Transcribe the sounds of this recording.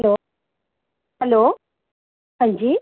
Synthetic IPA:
loː | hɐloː | hɐɲd͡ʒi

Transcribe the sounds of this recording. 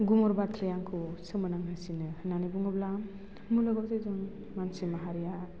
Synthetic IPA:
ɡumɔɾbat̪ʰɾijaŋkʰusɯmɯnaŋɦɯsinɯhnanibuŋɡɔbla | mulɔɡɔbtɯzɯŋ | mansimaɦaɾija

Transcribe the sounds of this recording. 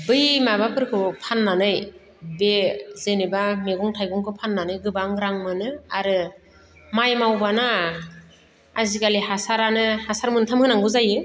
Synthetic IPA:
bɯjmabapʰɯɾkʰɯpʰanːanɯj | bezenebameɡɔŋtʰajɡɔŋkʰɯpʰanːanɯjɡɯbaŋɾaŋmɯnɯaɾɯ | majmawbana | azikalihasaɾanɯhasaɾmɯntʰamhɯnaŋɡɯzajɯ

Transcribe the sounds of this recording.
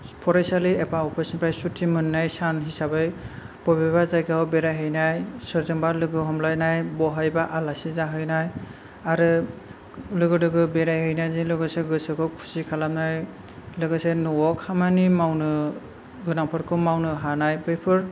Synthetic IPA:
pʰɔɾajsaliepaɔpʰesɔnpʰɾajsutʰːimɯnːajsanɦisabɯj | pɔbabazajɡawbeɾajɦɯjnajsɔɾzɔmbalɯɡɯɦɔmlajnajbɔɦajbaʔalasizaɦɯjnaj | aɾɯ | lɯɡɯdɯɡɯbeɾajɦɯjnajzilɯɡɯseɡɯsɯkʰɯkʰu̥sikʰalamnaj | lɯɡɯsenɔwɔkʰhamanimawnɯ | ɡɯnampʰɔɾkʰɯmawnɯɦanajbɯjpʰɯɾ

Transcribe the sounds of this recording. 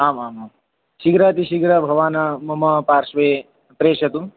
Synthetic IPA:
aːmaːmaːm | ʃiɡɾat̪iʃiɡɾɐbʱɐʋaːnɐmɐmɐpaːɾʂʋeː | pɾeːʃɐt̪u

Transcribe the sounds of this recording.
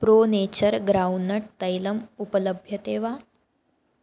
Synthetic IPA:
pɾoːneːt͡ɕəɾɡɾaunːɐʈ̚t̪ɐjlɐmupələbʱjɐt̪eːʋaː

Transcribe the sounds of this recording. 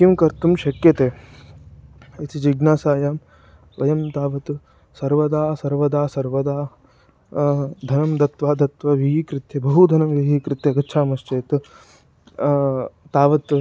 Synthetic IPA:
kimkɐɾt̪umʃɐkjɐt̪eː | it̪id͡ʒiɡnaːsaːjaːm | ʋɐjɐmt̪aːʋɐt̪u | sɐɾʋɐd̪aːsɐɾʋɐd̪aːsɐɾʋɐd̪aː | d̪ʱɐnɐmd̪ɐt̪ʋaːd̪ɐt̪ʋɐʋiɦiːkɾɪt̪jɐbɐɦud̪ʱɐnɐmʋiɦiːkɾɪt̪jɐɡɐtːt͡ʃʰaːmɐʃt͡ʃeːt̪ | aːʋɐt̪

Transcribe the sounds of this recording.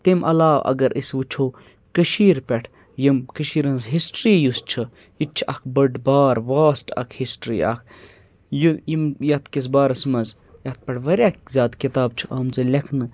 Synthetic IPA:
t̪imʔɐ̰laːʋɐ̰ɡɐɾʔisʋɨt͡ʃʰoː | kəʃiːɾpʲɛʈʰ | jimkəʃiːɾɐnzɦisʈɾiːjust͡ʃʰɨ | jit͡ʃʰʔɐkʰbɐɖbaːɾʋaːsʈʰɐ̰kʰhisʈɾḭːɐ̰kʰ | jujimjɐt̪ʰkis̬baːɾɐsmɐz | jɐt̪̚pʲɐʈʰʋɐɾʲjaːkzʲaːd̪kit̪aːb̚t͡ʃʰɨʔɐːmzɨlʲɐkʰnɨ

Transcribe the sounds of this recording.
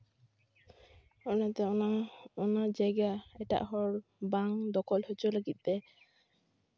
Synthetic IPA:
ɔnat̪ɛɔaɔnad͡ʒajɡaɛʈa̰ʔɦɔɾbaŋd̪ɔkɔlhɔt͡ʃɔləɡit̪̚ˀd̪ɛ

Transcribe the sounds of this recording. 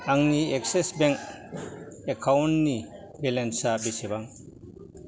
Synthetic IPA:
aŋniek̚sesbɛŋk̚ | ekʰawnni | belensabesebaŋ

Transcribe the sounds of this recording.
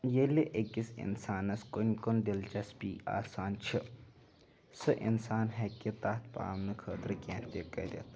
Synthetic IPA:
jeleʔekːisḭnsaːnɐskonʲkonɖilt͡ʃɐspiːa̰ːsaːnt͡ʃʰi | sɨʔḭnsaːnɦɐkit̪aːt̪pa̰ːmnɨkʰəːt̪ɾkʲent̪ekɐ̰dʲḛt̪

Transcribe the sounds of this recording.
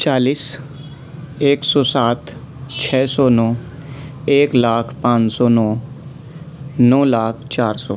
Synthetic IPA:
t͡ʃaːliːs | eːksɔːsaːt̪ʰ | t͡ʃʰɛːsɔːnɔː | eːklaːkʰpãːnt͡ʃsɔːnɔː | nɔːlaːkʰt͡ʃaːɾsɔː

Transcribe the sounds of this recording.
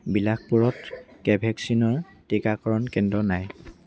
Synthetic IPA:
bilakpuɹɔtkɛbʱɛksinɔɹ | tikakɔɹɔnkɛndɔnaj

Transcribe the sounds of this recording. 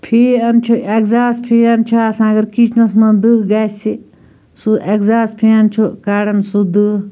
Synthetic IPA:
pʰiːɐnt͡ʃʰuʔekzaːspʰiɐnt͡ʃʰuasãːɐɡɐɾkit͡ʃʰnɐsmɐd̪ɨɦɡaːsi | suʔekzaːspʰiɐnt͡ʃʰukaːɽɐnsud̪ɨ

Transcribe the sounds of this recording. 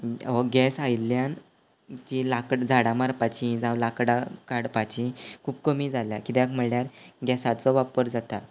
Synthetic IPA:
ɔɡɛsajljãn | t͡ɕĩlakɽd͡zʱaɽamaɾpat͡ɕĩd͡zawlakɽakaɽpat͡ɕĩkʰuːbkəmiːd͡zʱaljakit̪jakm̤əɭljaɾɡɛsat͡sɔʋapəɾd͡zat̪at̪

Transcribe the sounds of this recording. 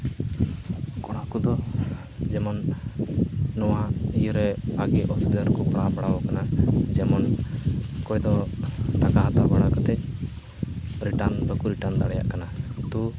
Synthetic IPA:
kɔɽ̃akud̪ɔ | d͡ʒɛmɔn | ɔwaijuɾɛaɡɛʔɔsubd̪aɾkɔpɽabaɽabɔkanad͡ʒɛmɔn | kɔjd̪ɔt̪akaɦat̪abaɽakɔt̪ɛc̚ | ɾiʈand̪ɔkuɾiʈand̪aɽɛja̰ʔkanat̪u

